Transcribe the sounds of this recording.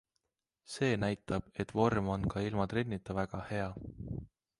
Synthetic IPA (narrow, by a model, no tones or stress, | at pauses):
se̞ːnæjt̪ːˑɑb̥e̞t̪ːˑvo̞rmo̞nkɑilmɑt̪renʲːit̪ːˑɑvæɡ̥ɑhe̞ɑ